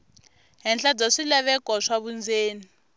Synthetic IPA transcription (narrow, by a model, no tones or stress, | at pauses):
ɦɛnt͡ɬad͡zaʂilaβɛkɔʂaβund͡zeːni